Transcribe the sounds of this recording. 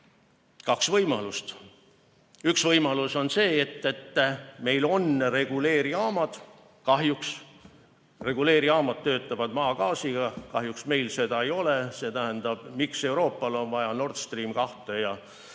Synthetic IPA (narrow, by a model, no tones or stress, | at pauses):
kɑksvɤjmɑlust̪ | yksvɤjmɑluso̞nse̞ːet̪ːet̪ːme̞jlo̞nre̞ɡ̥ule̞ːɾiɑːmɑd̪̥ | kɑɦjuks | re̞ɡ̥ule̞ːɾiɑːmɑd̪̥̚t̪ːø̞ːt̪ːˑɑvɑd̪̥mɑːɡɑːsiɡ̥ɑkɑɦjuksme̞jlse̞d̪ɑejo̞lese̞ːt̪æɦend̪̥ɑb̥mikse̞uɾo̞ːpːɑlo̞nvɑjɑno̞rd̪st̪riːmkɑht̪ejɑ